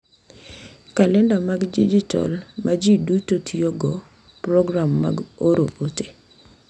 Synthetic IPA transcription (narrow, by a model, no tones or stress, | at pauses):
kalɛndamaɡdid͡ʒitɔ̰lmad͡ʒidutotʰioɡɔ | pɾɔɡɾamːa̰ɡoɾoʔote̥